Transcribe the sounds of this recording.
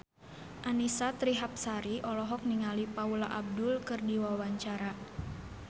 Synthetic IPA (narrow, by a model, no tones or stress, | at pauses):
ʔanisat̪ɾiɦap̚saɾiʔɔlɔɦɔk̚niŋalipaulaʔab̚dʊlkɨrdiwawaɲt͡ʃaɾa